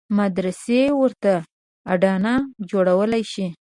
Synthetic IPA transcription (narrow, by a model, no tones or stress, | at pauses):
mad̪ɾasewəɾt̪aː | ɖɑnad͡ʒoɽawəlajʃi